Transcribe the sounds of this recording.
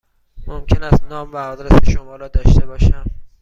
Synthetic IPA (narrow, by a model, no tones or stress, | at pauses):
momcʰenæst̪nɒːmvæɔd̪ɾeseʃomɒːɾɒːd̪ɒːʃt̪e̞bɒːʃæm